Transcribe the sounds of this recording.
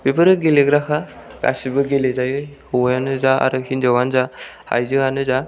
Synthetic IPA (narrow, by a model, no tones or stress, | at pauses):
b̥ebɯɾɯɡeleɡɾakʰaɡ̥a̰sibɯɡelezajɯjhɔwjanɯzaa̰ɾɯhinzawanzaha̰jzɯŋanɯza